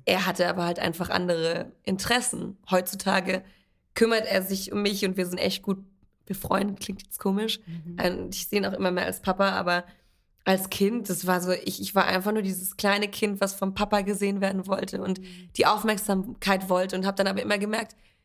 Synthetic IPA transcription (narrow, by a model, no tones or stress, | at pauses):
ʔeːɐɦatəʔaːbɐhaltʔa̰ɪnfaχʔa̰ndəʁ̞əʔɪntəʁ̥ɛsn̩hɔʏtt͡sutʰaːɡə | kʰʏmɐtʔeːɐzɪçʊmːɪçʊntv̥iːɐzɪntʔɛ̰çt̚ɡ̥uːt̚ | b̥əfʁ̥ɔ̰ʏndət̚kʰl̥ɪŋtjɛt͡stkʰoːmɪʃʔaɪçz̥eːnaʊxʔɪmɐmeːɐʔa̰lspʰapaʔa̰ːbɐ | ʔalskʰɪnt̚d̥asv̥aːɐzoːʔɪçɪçv̥aːʔa̰ɪnfaχnuːɐdiːzəskl̥aɪnəkʰɪntv̥asfɔmpʰapaɡəzeːənveːɐdn̩vɔltʰəʊntd̥iːʔaʊfmɛɐkz̥aːmkʰaɪtv̥ɔltəʊnthaːbədanʔaːbɐʔɪmɐɡəmɛɐk̚t